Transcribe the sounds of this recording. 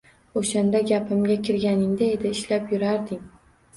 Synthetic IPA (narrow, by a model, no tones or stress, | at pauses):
oʃand̪aɡʲapʰɪmɡʲakʲʰɪɾɡʲanɪŋd̪ae̞d̪ɪːʃlapjʊɾaɾd̪ɪŋ